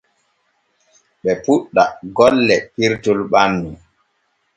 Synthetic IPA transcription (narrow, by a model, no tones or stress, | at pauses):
ɓɛpuɗːaɡɔlːɛpiɾtulɓamːi